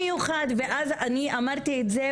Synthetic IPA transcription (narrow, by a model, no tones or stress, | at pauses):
ejuχad̪ve̞ʔazaniamaʁt̪iet̪ze